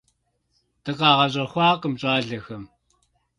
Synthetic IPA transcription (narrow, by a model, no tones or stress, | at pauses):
tɐqɑːʁɐɕ̬ʼɐxʷɑːqʼəmɕʼaːɮɐxɐm